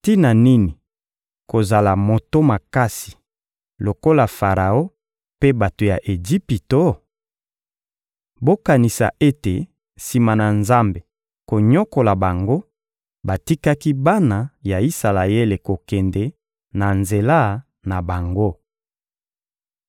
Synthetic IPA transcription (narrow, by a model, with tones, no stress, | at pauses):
ti˦na˨ni˦ni˨ | ko˨za˨la˨mo˨to˦ma˨ka˦si̥˨ | lo˨ko˦la˨fa˨ʁa˨o˦ | pe˦ba˨to˨ja˨ʔe˨d͡ʒi˦pi˨to˦ | bo˦ka˨ni˨sa̰˨ʔe˦te˨ | si˨ma˨na˨nza˦mbe˨ | ko˨ɲɔ˦ko˨la˨ba˨ŋɡo˦ | ba˨ti˦ka˦ki˦ba˦na˨ja˨i˦sa˨la˨e˦le˨ko˨kɛ˨ndɛ˨ | na˨nze˨la˦˨ | na˨ba˨ŋɡo˦